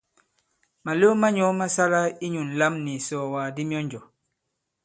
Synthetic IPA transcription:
ma˨lo˦ma˦ɲɔ˨˦ma˦sa˦la˦i˦ɲu˨nla˦mni˨sɔ˨waː˨di˦mi˦ɔ˦ɲd͡ʒɔ˨

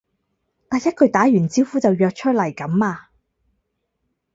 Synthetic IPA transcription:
t̪aː˨˧jɐ˥t̚kʰɵ˨˧ɥt̪aː˨˥jyː˨˩nt͡siː˥wfuː˨˥t͡sɐ˨wjœː˧k̚t͡ʃʰɵ˥t̚lɐ˨˩jkɐ˨˥mːaː˧

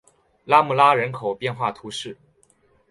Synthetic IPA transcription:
la˥mu˥˩la˥ɻə˧˥nkʰo˨˩ʊpjɛ˥˧nxwa˥˩t̪ʰu˧˥ʂɻ̩˥˩

